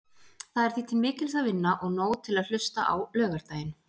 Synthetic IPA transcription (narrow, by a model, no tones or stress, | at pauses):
θaðɛɾ̥θiːt̪ʰɪlmɪːcɪlsaðvɪnːaʔɔɣnoːwt̪ʰɪlaðl̥ʏst̪a̰ʔa̰wlœːɣaɾ̥t̪aːjɪn